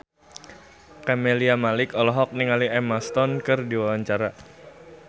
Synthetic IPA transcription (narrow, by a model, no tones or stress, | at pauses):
kameliamalɪkɔlɔɦɔk̚niŋaliɛmast̪ɔnkɨrdiwawaɲt͡ʃaɾa